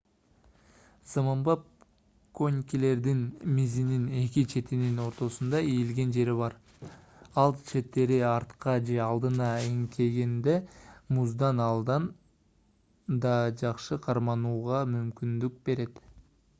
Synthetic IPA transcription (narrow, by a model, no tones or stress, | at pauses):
zamɑmbɑp̚ | ko̞nʲkʲile̞ɾd̪inmizinine̞kit͡ʃʰe̞t̪inino̞ɾt̪o̞sund̪ɑijilɡe̞nd͡ʒe̞ɾiβɑɾ | ɑlˠt͡ʃʰe̞t̪ːe̞ɾiɑɾt̪qɑd͡ʒe̞ɑlˠd̪ɯnɑiŋt̪ʰe̞ɡend̪e̞muzd̪ɑnɑlˠd̪ɑn | d̪ɑd͡ʒɑqʃɯqʰɑɾmɑnuːʁɑmymkʲynd̪yk̚be̞ɾe̞t̪